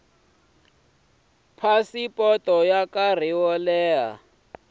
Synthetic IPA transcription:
pʰasipʼɔtʼɔjakariwɔlɛːɦa̰

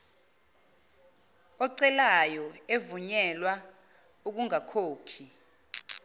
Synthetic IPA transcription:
ɔǀɛlajɔevuɲɛlwa | uk̬uŋakʰoːkʰi

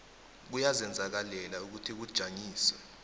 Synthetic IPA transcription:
k̬ujazɛnd͡zʱak̬alɛlauk̬utʰik̬ud̥ʒ̥ʱaŋiːswɛ

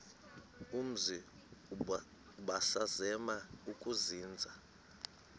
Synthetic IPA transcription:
um̩zi | ɓasazɛmaukʼuziːnd͡zʱa

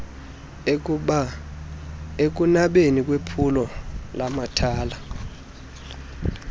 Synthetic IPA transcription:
ek̬ʼunaɓenik̬ʼwepʰulɔlamatʰaːla

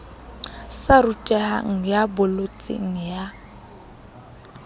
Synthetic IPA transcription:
sarutʼɛha̰ŋ̩jabʊlot͡sʼḭŋ̩ja

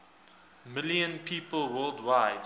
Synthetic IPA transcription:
mɪljə̃npʰiːpəlˠwɜːldwaɪd

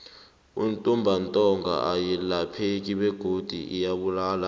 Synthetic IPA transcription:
ṵntʼumbʱantʼɔŋɡʱa̰ʔajilapʰek̬ʼiɓɛɡ̥ʱod̥ʱḭʔijaɓulaːla

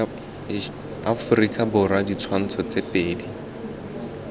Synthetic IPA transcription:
afʊrikʼabʊradit͡sʰwan̩t͡sʰɔt͡sepʼeːdi

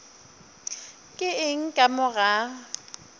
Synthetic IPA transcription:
kʼɪɪŋ̩kʼamʊɣa

